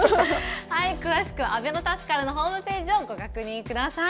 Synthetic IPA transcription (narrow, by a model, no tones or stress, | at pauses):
haikɯ̟βaɕi̥kɯ̟βaabe̞no̞t̪asɨ̥kaɾɯno̞ɦo̞ːmɯ̟pe̞ːd͡ʑioɡoɡakɯ̟ɲ̟ĩŋkɯ̟d̪asa